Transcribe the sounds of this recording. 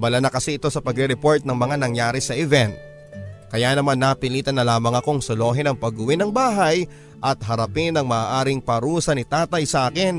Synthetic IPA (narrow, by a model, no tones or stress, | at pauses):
bɐlanɐkɐsɛʔɪt̪o̞sɐpɐɡɾɛɾɛpo̞ɹt̪̚nɐŋmɐŋanɐŋjaːɾɪsɐʔɛvɛnt̪̚ | kɐjaːnɐmanːapɪliːt̪ɐnːɐlaːmɐŋɐkoŋsolo̞ːɦɛnɐŋpɐɡʊwɪnɐŋbaːɦɐj | ʔɐt̪̚ɦɐɾɐpɪnɐŋmɐʔaːʔaːɾɪŋpɐɾuːsɐnɪt̪aːt̪ɐjsɐʔaːkɪn